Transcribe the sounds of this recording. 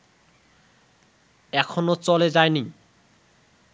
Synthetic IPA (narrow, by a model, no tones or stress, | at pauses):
ɛkʰonot͡ɕɔled͡ʑaeni